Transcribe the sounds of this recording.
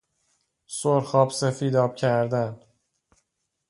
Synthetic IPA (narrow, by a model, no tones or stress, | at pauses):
soɾxɒːbsefiːd̪ɒːb̥cʰæɾd̪æn